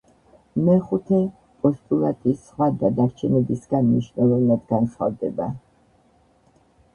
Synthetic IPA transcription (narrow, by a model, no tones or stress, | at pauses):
mɛχut̪ʰɛ | pʼɔst̪ʼulˠat̪ʼisχwad̪ad̪aɾt͡ʃʰɛnɛbisɡanmniʃnɛlˠɔvnad̪ɡansχa̰vd̪ɛba